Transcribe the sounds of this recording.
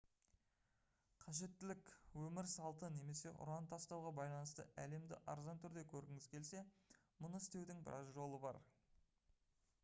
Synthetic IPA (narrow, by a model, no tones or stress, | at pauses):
qʰɑʒe̞t̪ːɪlɪkwɵmɪɾsɑlˠt̪əne̞me̞se̞ʔʊ̰ɾɑnt̪ʰɑst̪ɑwʁɑbɑjlˠɑnəst̪ə̰ʔæle̞md̪ɪ̰ʔɑ̰ɾzɑnt̪ʰʏɾd̪e̞kʲʰɵɾɪŋɪz̥kʲʰe̞lse̞ | mʊnəɪst̪e̞wd̪ɪŋbɪ̰ɾʔɑ̰zʒo̞lˠəbɑ̰ɾ